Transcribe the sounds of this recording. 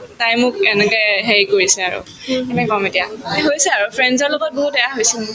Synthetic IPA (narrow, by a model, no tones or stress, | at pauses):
tajmʊkɛnɛkɛɦejkoɹisɛaɹṵ | kɛnɛkɔmetija̰ɦojsɛaɹupʰɹɛnzɔɹloɡɔt̚boɦut̚ɛjaɦojsin